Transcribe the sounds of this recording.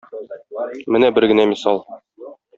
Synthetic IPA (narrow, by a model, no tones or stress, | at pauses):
mɘnæbɘɾɡɘ̆næmisɑlˠ